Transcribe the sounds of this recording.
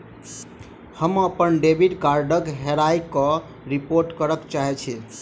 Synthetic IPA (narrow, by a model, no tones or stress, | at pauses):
həməpənɖebʱiɖkaɾɖəkɦeɾajkɔ | ɾipoɾʈkəɾəkt͡ʃaɦɛt͡ʃʰɛ